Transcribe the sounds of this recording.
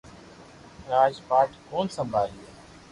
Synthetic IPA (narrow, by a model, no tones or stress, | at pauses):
ɾaːd͡ʒpaːʈkʰoːnsəmbʱaːɦiːeː